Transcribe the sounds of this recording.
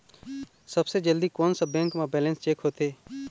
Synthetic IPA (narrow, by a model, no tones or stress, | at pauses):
sɐbsed͡ʒəld̪ikoːnsɐbɛ̃ːŋkmãbɛːlə̃nst͡ʃeːkɦoːt̪eː